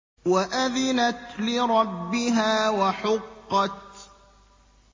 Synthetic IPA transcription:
waʔaðɪnat̪lɪɾˤɑbːɪɦaːwaħʊqːɑt̪̚

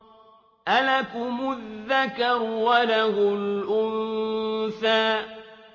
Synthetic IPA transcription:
ʔalakʊmʊðːakaɾwalaɣʊlʔʊn | faː

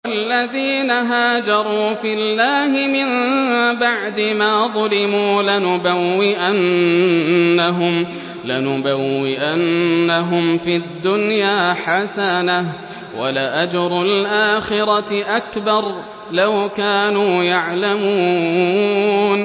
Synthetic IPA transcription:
ʔalːaðiːnaɦaːd͡ʒɑɾˤuːfilːaːɦɪmɪmbaʕd̪ɪmaːðˤʊlɪmuːlanʊbawːɪʔanː | aɦʊm | lanʊbawːɪʔanːaɦʊmfid̪ːʊnjaːħasanah | wa̰laʔad͡ʒɾˤʊlʔaːxɪɾɑʔakbɑɾˤ | lawkaːnuːjaʕlamuː | n

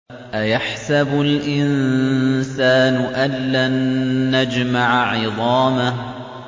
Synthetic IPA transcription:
ʔajaħsabʊlʔɪn | saːnʊʔalːanːad͡ʒmaʕʕɪðˤɑːmah

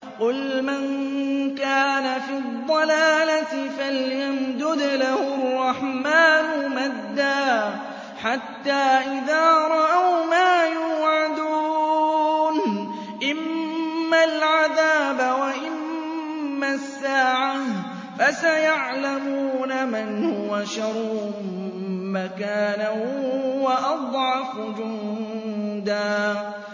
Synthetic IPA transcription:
qʊlmankaːnafidd̪ˤːɑlaːlat̪ɪfaljamd̪ʊd̪lahʊrˤːɑħmaːnʊmad̪ːaː | ħat̪ːaːʔɪðaːɾˤɑʔawmaːjuːʕad̪uː | n | ʔɪmː | alʕaðaːbawaʔɪmː | asːaːʕa | fasajaʕlamuːnamanhʊʊwaʃɑɾˤ | makaːnahʊʊwaʔɑd̪ˤʕɑfd͡ʒʊn | d̪aː

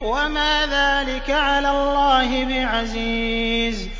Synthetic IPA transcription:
wamaːðaːlɪkaʕalaːlːaːɦɪbɪʕaziːz

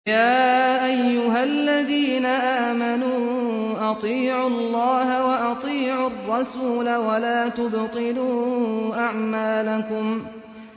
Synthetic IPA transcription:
jaːʔajːʊɦalːaðiːnaʔaːmanuːʔɑt̪ˤiːʕʊlˤːɑːhawaʔɑt̪ˤiːʕʊrˤːɑsuːlawalaːt̪ʊbt̪ˤɨluːʔaʕmaːlakʊm

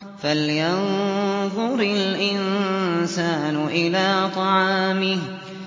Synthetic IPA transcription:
faljɑnðˤʊɾɪlʔɪnsaːnʊʔɪlaːt̪ˤɑʕɑɑːmɪh

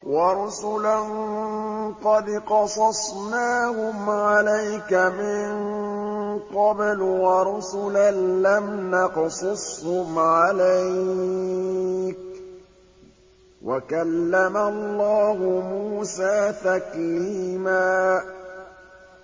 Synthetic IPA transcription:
wɑɾˤʊsʊlan | qɑd̪qɑsˤɑsˤnaːhʊmʕalajkamɪɴ | qɑblwɑɾˤʊsʊlanlamnɑqsˤʊsˤhʊmʕalaj | k | wʔa̰kalːamalˤːɑːɦʊmuːsaːt̪akliːmaː

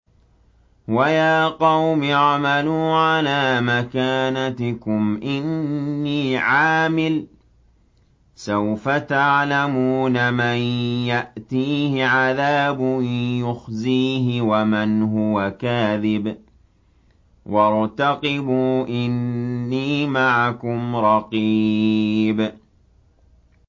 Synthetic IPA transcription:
wajaːqɑwmɑʕmaluːʕalaːmakaːnat̪ɪkʊmʔɪnːiːʕaːmɪl | sawfat̪aʕlamuːnamanjaʔt̪iːhɪʕaðaːbʊjʊxziːɦɪwamanɦʊwakaːðɪb | wʔɑɾˤt̪ɑqɪbuːʔɪnːiːmaʕakʊmɾˤɑqi | b

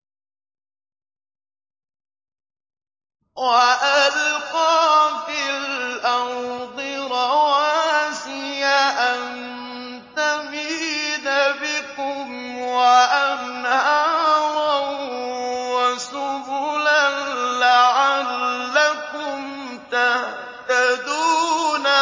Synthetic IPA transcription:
waʔalqɑːfilʔanðˤɨɾawasɪjaʔan | t̪amidabɪkʊm | waʔam | aaɾˤa | wasʊbʊlanlaʕalːakʊm | t̪ah | t̪ad̪uːna

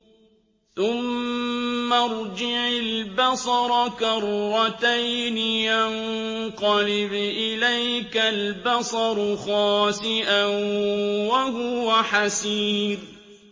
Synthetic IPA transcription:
θʊmː | aɾˤd͡ʒɪʕɪlbɑsˤɑɾˤɑkaɾˤɾˤɑt̪ajnɪjanqɑlɪbʔɪlajkalbɑsˤɑɾˤxɑːsɪʔanwahʊwaħasiːɾ

